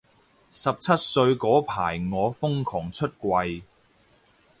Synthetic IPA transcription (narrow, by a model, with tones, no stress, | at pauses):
sɐ˨p̚t͡sʰɐ˥t̚sɵ˧ɥkɔː˨˥pʰaː˨˩jŋɔː˨˧fʊ˥ŋkʰɔː˨˩ŋt͡ʃʰɵ˥t̚kʷwɐ˧j